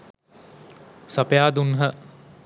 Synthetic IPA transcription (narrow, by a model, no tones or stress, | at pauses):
sapjaːd̪unɦə